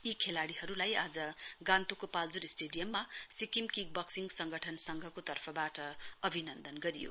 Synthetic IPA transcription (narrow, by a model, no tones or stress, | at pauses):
ikʰelaɽihʌɾulajad͡zʌɡãnt̪okopald͡zuɾisʈeɖijʌmːasikimkiɡ̚bʌksiŋɡsʌŋɡʱʌʈʰʌnsʌŋɡʱʌkot̪ʌrpʰʌbaʈʌʌbʱinʌnd̪ʌnɡʌɾijo̰